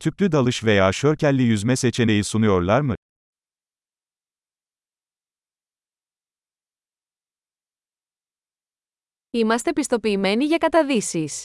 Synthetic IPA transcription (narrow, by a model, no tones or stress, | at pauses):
t̪ʰyplʲyd̪alˠɯʃve̞jaːʃø̞ɾcælʲːijyzmɛse̞t͡ʃʰe̞nejisunujo̞ɾlˠaɾmɯ | imɐst̪epist̪o̞piːme̞niʝɐkɐt̪ɐðisis